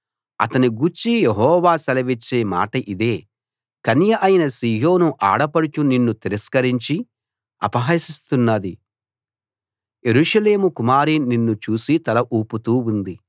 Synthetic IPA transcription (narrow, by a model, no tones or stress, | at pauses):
ɐ̰t̪ɐniɡuɾt͡ʃːijeɦɔːʋaːsɐlɐʋit͡ʃːeːma̰ːʈɐʔid̪e̞ː | kɐnjɐʔɐjinɐsiːɦoːnuʔa̰ːɽɐpɐɽut͡ʃuninːut̪iɾɐskɐɾiɲt͡ʃi | ɐ̰pɐɦaːsist̪unːad̪i | je̞ɾuʂɐle̞ːmukumaːɾininːut͡ʃuːsit̪ɐlɐʔuːput̪uːund̪i